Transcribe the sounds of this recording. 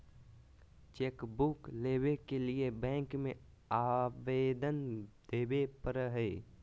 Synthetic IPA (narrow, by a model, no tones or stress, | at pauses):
t͡ʃeːkbukleːbekeliebɛ̃ːŋkmẽ | aːʋeːd̪ənd̪eːbepəɾɦɛː